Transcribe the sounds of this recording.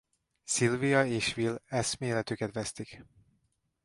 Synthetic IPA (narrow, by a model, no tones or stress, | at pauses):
silvijɒeːʃʋilɛsmeːlɛt̪ykɛt̪ʋɛst̪ik